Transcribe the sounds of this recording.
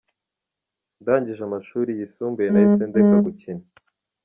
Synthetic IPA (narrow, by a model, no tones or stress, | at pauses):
ndaːɲɟiʒamaʃuːɾijisuːmbujenait͡sendekaɡucini